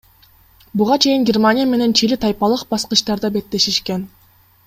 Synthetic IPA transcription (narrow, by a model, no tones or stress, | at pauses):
buʁɑt͡ʃʰe̞jiŋɡʲermanʲɪjame̞ne̞nt͡ʃʰilit̪ʰɑjpɑlˠɯqbɑsqɯʃt̪ɑɾd̪ɑbe̞t̪ːe̞ʃiʃken